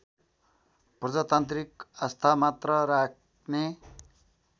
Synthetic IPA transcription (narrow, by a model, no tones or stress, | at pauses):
prʌd͡zat̪ant̪rikʌst̪ʰamat̪rʌɾak̚ʰ | ne